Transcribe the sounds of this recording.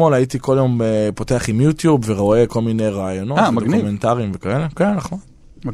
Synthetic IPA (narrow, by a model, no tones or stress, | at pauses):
molait̪iko̞ljo̞mepo̞teaχimjutjubveʁo̞e̞ko̞lminejʁaːjo̞no̞tdoumentaʁimvekaele̞kenːaχon